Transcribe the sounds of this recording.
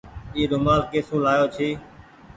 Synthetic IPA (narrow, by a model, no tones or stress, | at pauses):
iːɗ̪ʊmaːlkeːsũːlaːjoːt͡ʃʰiː